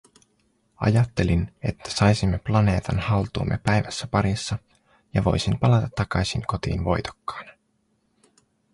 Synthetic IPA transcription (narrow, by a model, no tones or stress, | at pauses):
ɑ̰jɑt̪ːe̞line̞̰t̪ʰːæ̥sɑjsimːeplɑne̞ːt̪ɑnhɑlt̪uːmːepæjʋæsːæpɑɾisːɑ | jɑʋo̞̰jsimpɑlɑt̪ɑt̪ːɑkɑjsiŋko̞t̪ḭːnʋo̞̰jt̪o̥kːɑ̥ːn